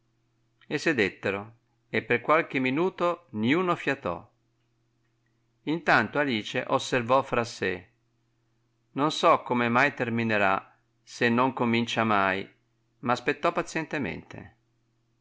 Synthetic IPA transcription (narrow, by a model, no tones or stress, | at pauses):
esːed̪et̪ːeɾo | epːerkwalk̟emːinuːt̪oniuːnofjat̪ɔ̰ | int̪ant̪oaliːt͡ʃeʔosːervɔfɾase | nonsɔkːomemajt̪ermineɾa̰ | senːoŋkomint͡ʃamaj | maːspet̪ːɔpːat̪sjɛnt̪emḛnt̪ḛ